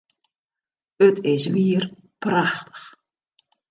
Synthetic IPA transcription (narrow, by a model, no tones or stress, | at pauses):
ətʰɪsʋiər | prɑxtə̥x